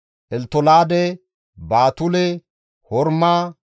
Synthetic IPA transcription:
ʔɛlt̪ɔlaːd̪ɛ | baːt̪ʊlɛ | hɔɾmaː

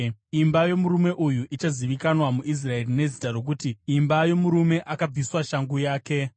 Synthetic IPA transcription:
imbajo̞muɾume̞ʔujuʔit͡ʃaziʋikanwamuʔis̬rae̞rine̞zitaro̞k̬utiimbajo̞muɾume̞ʔʔakab͡viswaʃaŋɡujaːke̞

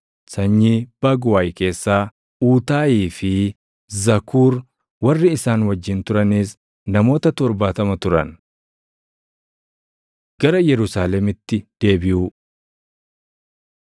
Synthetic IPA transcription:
sɐɲːiːb̥ɐɡwaːjke̞ːsːaː | uːt̪aːjiːfɪ | zɐkʰuːɾ | wɐrːɪɪsaːnwɐd͡ʒːɪnt̪ʊɾɐniːs | nɐmo̞ːt̪ɐt̪ɔɾbaːt̪ɐmɐt̪ʊɾɐ̰n | ɡ̥ɐɾɐjɛɾʊsaːlɛmɪt̪ːɪd̪̥e̞ːbɪju

